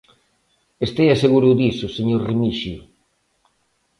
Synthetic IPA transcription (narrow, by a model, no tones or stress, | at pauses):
est̪ejaseɣuɾʊðisʊseɲoɾrimiʃjʊ